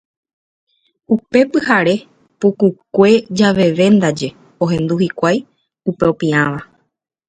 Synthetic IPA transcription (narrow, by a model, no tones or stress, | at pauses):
upe̞pɨɦaɾe̞ | pukukʷe̞d͡ʒaʋe̞ʋẽ̞nd̪ad͡ʒe̞ | o̞ɦẽ̞nd̪uhikʷaj | upe̞opĩãʋa